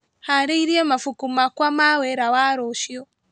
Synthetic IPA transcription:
haɾeiɾiɛmafukumakwamawɛɾawaɾoʃiɔ

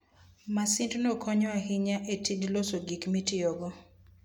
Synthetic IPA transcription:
masintnokʰɔɲɔahɪɲaʔetʰidlosoɡikmitɪoɡɔ

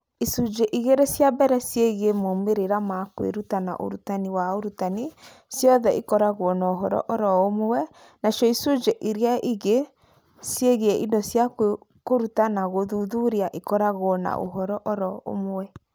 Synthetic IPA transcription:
isud͡ʒeʔiɣeɾesjabɛɾɛsjeɣeemomeɾeɾamakwḛɾutana̰ʔo̰ɾutaniwaoɾutani | sjɔðɛʔḭkɔɾaɣoɔnaoɦɔɾɔ̰ʔɔɾɔomowɛ | nasjɔisud͡ʒeʔiɾiaʔiɣe | sjeɣeɛʔḭndɔsjak | koɾutanaɣoðuðuɾiaʔikɔɾaɣːna̰ʔo̰ɦɔɾɔʔɔɾɔo̰mowɛ

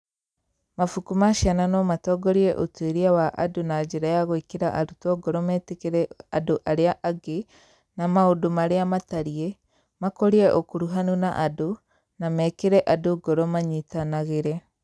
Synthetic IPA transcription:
mafukumaʃiananɔmatɔɡɔɾiɛʔotweɾiawaʔadonad͡ʒeɾajaɣoekeɾaʔaɾutɔɡɔɾɔmɛːtekeɾɛadoʔaɾeaʔaɡe | namaodomaɾeamataɾie | makɔɾiɛʔokuɾuɦanunaʔado | namɛːkeɾɛʔadoɡɔɾɔmaɲitanaɣeɾɛ

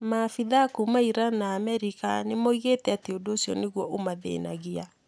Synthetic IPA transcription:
mafiðakumaiɾanaːmɛɾika̰nemoiɣetɛateodoosiɔneɣwɔʔomaðḛːna̰ɣia

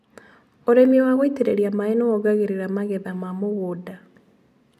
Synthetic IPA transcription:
oɾemiowaɣweiteɾeɾjamaenooɡaɣeɾeɾamaɣeðamamoɣoda

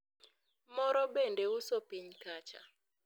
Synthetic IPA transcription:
mɔɾɔbendeʊsopiɲkat͡ʃa̰

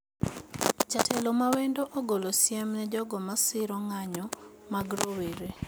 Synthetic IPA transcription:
t͡ʃatʰɛlomawendoʔoɡolosjɛmnɛd͡ʒɔɡɔmasɪɾɔŋaɲɔmaɡɾoweɾe

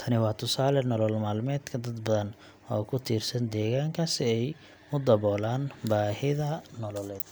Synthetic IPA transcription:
t̪ʰɐnɪwɑːt̪ʰʊsaːlɛnɔlɔlmaːlmɛːd̪kʰɐd̪ɐd̪bɐðɐn | wa̰ːkʰʊt̪ʰiːrsɐnd̪ɛːɣaːŋkʰɐsɪɛj | ʊd̪ɐβɔːlaːnbaːhɪðɐnɔlɔlɛːd̪̥

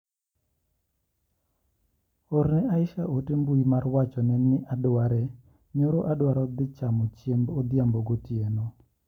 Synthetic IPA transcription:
oɾnɛʔaɪʃaʔotembuimarwat͡ʃɔnɛnːɪʔadwaɾɛ | ɲoɾoʔadwaɾɔd̪ɪt͡ʃamɔt͡ʃjembod̪jamboɡotieno

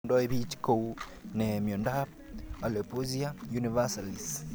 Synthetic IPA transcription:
ndɔeβit͡ʃi̥kou | nemjɔndap | alepuziajunivasalis

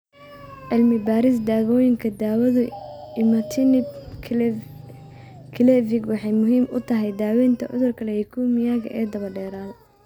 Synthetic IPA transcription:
ʔɪlmɪbaːɾɪs̬d̪aːɣɔːjɪŋkʰɐd̪aːwɐðʊɪmɐt̪ʰɪnɪ | kʰɪlɛvɪɡwɑħɑjmʊɦiːmʊ̰t̪ʰɐɦɛjd̪aːwɛːnt̪ʰɐʕʊ̰ðʊrkʰɐlɛhɛkʰuːmɪjaːɣɐ̰ʔɛːd̪ɐβɐɖɛːɾaːl

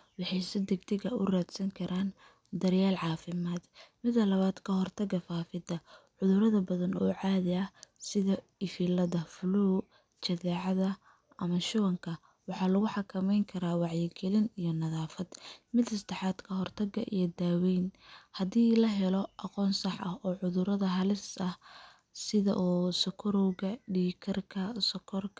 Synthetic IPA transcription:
wɑħɑjsɛd̪ɛɡt̪ʰɪɣɐʊ̰raːd̪sɐŋkʰɐɾʔaːn | d̪ɐrjaːlʕɑːfɪmaːd̪̥mɪd̪ɐlɐβaːd̪kʰɐɦɔrt̪ʰɐɡɐfaːfɪd̪ɐʕʊðʊɾɐðɐbɐðɐnɔ̰ːʕɑːðɪɐsɪðɐɪfilɐðɐfʊluː | t͡ʃɐðɛːʕɑðɐ | ɐmɐʃʊβɐŋkʰɐ | wɑħɑːlɐɣʊħɑkʰɐmɛjŋkʰɐɾaːwɑʕjɪɡɛlɪnijɞnɐðaːfɐd̪̥mɪd̪ɐsd̪ɑħɑːd̪kʰɐɦɔrt̪ʰɐɡɐ̰ʔḭjɞd̪aːwɛjnhɐðiːlɐɦɛlɔʔɑqɔːnsɑħɐhɔːʕʊðʊɾɐðɐɦɐlɪsɐh | sɪðɐ̰ʔɔːsɔkʰɔɾɔwɣɐɖiːkʰɐrkʰɐsɔkʰɔrkʰ

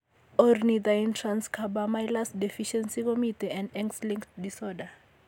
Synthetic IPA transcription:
ɔrnid̪aĩntʰrãnskʰabamajlasdifiʃɛ̃nsikɔmitʰiɛ̃ndɛ̃ŋkslĩŋktdisɔda

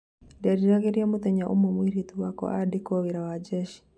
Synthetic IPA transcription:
dɛɾiɾaɣiɾiamut̪ɛɲaʔṵmomwiɾituwakɔ̰ʔadikɔβiɾawad͡ʒɛʃi̥

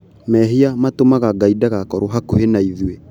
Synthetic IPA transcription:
mɛɦiamatomaɣaɡaidaɣakɔɾoɦakohenaiðiwe

